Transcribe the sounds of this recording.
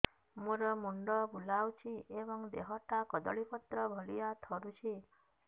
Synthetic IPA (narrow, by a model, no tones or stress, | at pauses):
muɾɔmuɳɖɔbulawt͡ʃʰiʔebɔŋd̪ḛɦɔʈakɔd̪ɔ̰ɭipɔt̪ɾɔbʱɔlijat̪ʰɔɾut͡ʃʰi